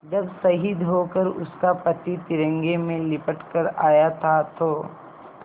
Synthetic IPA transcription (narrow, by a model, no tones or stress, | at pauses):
d͡ʒɐbsɐɦid̪ɦokəɾʊ̰skapɐt̪it̪ɪɾə̃ŋɡemẽlɪpəʈkəɾaːjat̪ʰat̪ʰoː